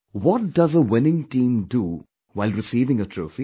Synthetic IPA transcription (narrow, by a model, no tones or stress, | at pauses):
wɔʈ̚ɖʌzəʋɪnɪ̃ŋʈĩːmɖu | ʋaɪlɾɪsiːʋɪ̃ŋəʈʰɾo̰ːfi